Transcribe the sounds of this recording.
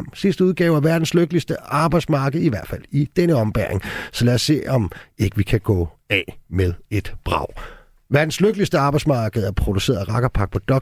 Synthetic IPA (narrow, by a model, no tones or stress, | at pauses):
msisd̥əuð̞ˠɡ̥ɛ̰ːʊæʋæɐd̥n̩sløɡ̥əlisd̥əɑ̈ːb̥ɑ̈ɪd̥smɑ̈ːɡ̥əð̩ˠiʋæɐd̥fæl̰id̥enəɒ̽mb̥æɐeŋsɒ̽læːɐsːe̝̰ːɒ̽me̝ɡ̥əʋikʰæɡ̥ɔ̰ːɛmeð̞ˠe̝d̥b̥ʁɑ̰̈ʊ̰ | ʋæɐd̥n̩sløɡ̥əlisd̥əɑ̈ːb̥ɑ̈ɪsmɑ̈ːɡ̥əð̩ˠæɐpʰʁo̝d̥use̝̰ːɐð̩ˠæʁɑ̈ɡ̥ɐpʰɑ̈ɡ̥̚pʰɒ̽d̥ɒ̽